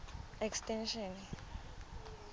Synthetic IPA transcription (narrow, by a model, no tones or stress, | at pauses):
ɛkstʼɛnʃɔn